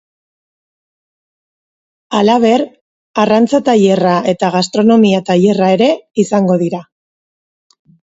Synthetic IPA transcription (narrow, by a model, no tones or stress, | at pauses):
alaβ̞e̞ɾ | arant͡sat̪aʎe̞raʔe̞t̪aɣast̪ɾo̞no̞miat̪aʎe̞raeɾe̞isaŋɡo̞ð̞iɾa